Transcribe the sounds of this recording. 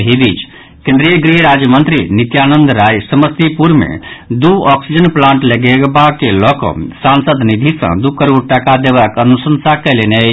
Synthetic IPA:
ɦibit͡ʃ | kẽnd̪ɾijəɡɾiɾad͡ʒjəmənt̪ɾinit̪janənd̪ɾajsəməst̪ipuɾmḛd̪uɔksid͡ʒənplãɳʈləɡeɡbakelɔkɔ̰̃sansəd̪nid̪ʱisə̰̃d̪ukəɾoɾʈəkad̪ebakənusənsakəlene

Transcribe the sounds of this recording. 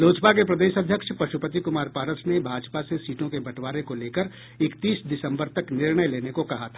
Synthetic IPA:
loːd͡ʒpakepɾɐd̪eːʃɐd̪ʱjəkʃpɾɐʃupət̪ikʊmaːɾpaːɾəsnebʱaːd͡ʒpasesiːʈõkebɐʈʋaːɾẽkoleːkəɾ | ɪkt̪iːsd̪ɪsə̃mbəɾt̪ɐknɪɾɽəjleːnekokɐɦat̪ʰḁː

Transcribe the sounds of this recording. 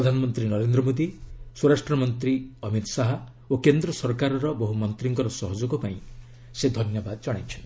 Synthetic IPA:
pɾɔd̪ʱanɔmɔnt̪ɾinɔɾend̪ɾɔmod̪iswoɾasʈɾɔmɔnt̪ɾiɔmit̪ɔ̥saɦɔ | okend̪ɾɔsɔɾkaɾɔɾɔbɔɦumɔnt̪ɾiŋkɔɾɔsɔɦɔd͡ʒɔɡɔpaĩ | sed̪ʱɔnjɔbad̪ɔd͡ʒɔɽ̃ajt͡ʃʰɔn

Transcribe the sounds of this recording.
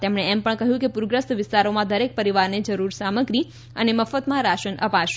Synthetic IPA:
t̪emɳ̃eɛmpəɳkəɦjũkepuɾɡɾəst̪ʋɪst̪aɾomãd̪ʱəɾek̚pəɾiʋaɾned͡ʒəɾuɾsaməɡɾi | əneməfət̪mãɾaʃənʔə̰paʃ

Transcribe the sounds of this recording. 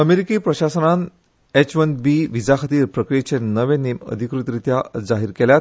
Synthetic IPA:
əmeɾikipɾəɕasənan | et͡ɕʋənbiʋid͡zakʰət̪iːɾpɾəkɾijet͡ɕenəʋẽnemə̰d̪ʱikɾut̪ɾit̪jad͡zaɦiɾkɛljat̪

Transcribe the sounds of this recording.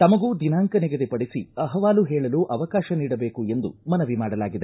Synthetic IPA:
t̪ɐmɐɡuːd̪inaːŋkɐnɛɡɐd̪epɐɽisiɐɦɐʋaːluɦɛːɭɐluːʔɐʋɐkaːʃɐniːɽɐbeːkue̞nd̪ṵmɐnɐʋimaːɽɐlaːɡid̪e

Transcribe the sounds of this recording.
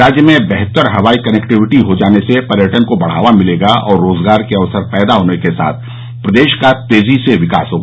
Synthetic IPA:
aːd͡ʒjəmẽbɛɦt̪əɾɦɐʋaːikɐnɛkʈɪʋɪʈiɦod͡ʒaːnesepɐɾjəʈənkobɐɽ̤a̰ːʋamɪleːɡaɔːɾːoːzɡaːɾkeɐʋsəɾpɛːd̪aɦoːnekesa̰ːt̪ʰ | pɾɐd̪eːʃkat̪eːziseʋɪka̰ːsɦoːɡaː

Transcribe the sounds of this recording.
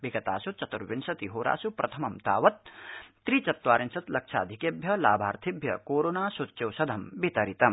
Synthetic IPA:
biɡɐt̪a̰ːsut͡ʃɐt̪uɾʋinsɐt̪iɦoːɾʔa̰ːsupɾɐt̪ʰɐmɐmt̪aːʋɐt̪ː | ɾit͡ʃɐt̪ʋaːɾinsɐt̪lɐk̚t͡ʃʰa̰ːd̪ʱikebʱjɐla̰ːbʱaːɾt̪ʰibʱjɐkoːɾoːnaːsot͡ʃɐwsɐd̪ʱɐmbit̪ɐɾit̪ɐm

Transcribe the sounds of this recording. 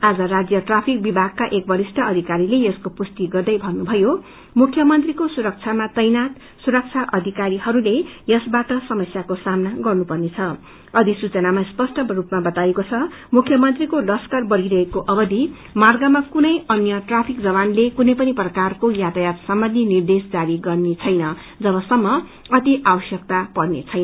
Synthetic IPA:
ad͡zʌrad͡zjʌʈrapʰik̚bibʱaɡ̚kaʔek̚bʌɾisʈʰʌʌd̪ʱikaɾilejʌskopust̪iɡʌrd̪ʌjbʱʌnːubʱʌjo | mukʰːjʌmʌnt̪rikosuɾʌk̚t͡sʰamatʌjnat̪ | suɾʌk̚t͡sʰaʔʌd̪ʱikaɾihʌɾulejʌsbaʈʌsʌmʌsjakosamnaɡʌrnupʌrnet͡sʰʌ | ʌd̪ʱisut͡sʌnamaspʌsʈʌrupmabʌt̪ajekot͡sʰʌ | mukʰjʌmʌnt̪rikolʌskarbʌɾiɾʌɦekoʔʌbʌd̪i | marɡamakunʌjʌnjʌʈrapʰik̚d͡zʌβanlekunʌjpʌniprʌkarkojat̪ajatsʌmbʌnd̪ʱinird̪esd͡zaɾiɡʌrnet͡sʰʌjnʌ | d͡zʌβʌsʌmːʌ | ʌt̪iʔawʌsjʌk̚t̪apʌrnḛt͡sʰʌjn

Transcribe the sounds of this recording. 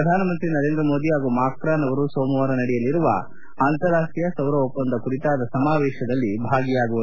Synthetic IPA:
ɐd̪ʱaːnɐmɐnt̪ɾinɐɾe̞ːnd̪ɾɐmoːd̪iɦaːɡumaːkɾaːnɐʋɐɾusoːmɐʋaːɾɐnɐɽɛjɐlːiɾuʋɐ̰ | aːnt̪ɐɾaːʂijɐsɐwɾɐopːɐnd̪ɐkuɽit̪aːd̪ɐsɐmaːʋɛːʃɐd̪ɐlːibʱaːɡijaːɡuʋɐu

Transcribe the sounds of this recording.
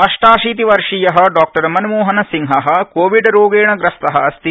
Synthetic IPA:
ɐʂʈaːʂiːt̪̬iʋɐɾʂijɐɦɐɖaːk̚ʈɐɾmɐnmuːɦɐnɐsiŋɦɐɦɐkoːʋiɖɾoːɡeːɳɐɡɾɐst̪ɐɦɐɐst̪i

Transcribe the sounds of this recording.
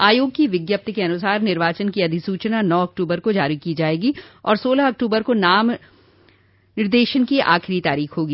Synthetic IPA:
aːjoːɡ̚kiʋɪɡjəp̚t̪əkeɐnʊsaːɾnɪɾʋaːt͡ʃənkiɐd̪ʱɪsuːt͡ʃnanɔːɐk̚ʈuːbəɾkod͡ʒaːɾikid͡ʒaːeːɡiɔ̰ːɾsoːlaɦɐk̚ʈuːbəɾkonaːm | nɪɾd̪eːʃənkiʔa̰ːxɪɾit̪aːɾiːxɦoːɡiː

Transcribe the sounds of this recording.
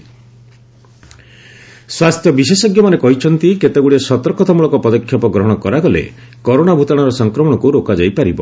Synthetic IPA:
swast̪ʰjɔbisesɔɡjɔmanekɔɦit͡ʃʰɔnt̪iket̪eɡuɽiesɔt̪ɔɾkɔt̪ʰamuɭɔkɔpɔd̪ɔkʰjɔpɔɡɾɔɦɔɽ̃ɔkɔɾaɡɔlḛ | kɔɾoɽabʱut̪aɽ̃ɔɾɔsɔŋkɾɔmɔɽ̃ɔkuɾokad͡ʒajpaɾibɔ

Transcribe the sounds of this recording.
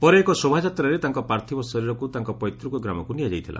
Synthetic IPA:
pɔɾeːkɔsobʱad͡ʒat̪ɾaɾet̪aŋkɔpɾaɾt̪ʰibɔsɔɾiɾɔkut̪aŋkɔpɔjt̪ɾukɔɡɾamɔkunijad͡ʒajt̪ʰilʔa̰

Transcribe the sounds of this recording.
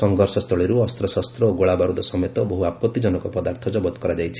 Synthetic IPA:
sɔŋɡʱɔɾsɔst̪ɾɔɭeɾuɔst̪ɾɔsɔst̪ɾɔoɡoɭabaɾud̪ɔsɔmet̪ɔbɔɦuapɔt̪ːid͡ʒɔnɔkɔpɔd̪aɾt̪ʰɔd͡ʒɔbɔt̪kɔɾad͡ʒajt͡ʃʰi̥

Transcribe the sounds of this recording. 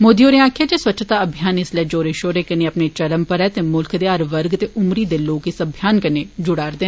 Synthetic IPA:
moːd̪iːoːɾẽaːkʰjaːd͡ʒeːswətːt͡ʃʰt̪aːəbʱijaːnɪslɛːd͡ʒoːɾeːʃoːɾeːkəneːəpneːt͡ʃəɾəmpəɾɛːt̪eːmʊlkd̪eːəɾʋəɾɡt̪eːʔʊmɾiːd̪eːloːkɪsəbʱjaːnkəneːd͡ʒʊɽaːɾd̪eː

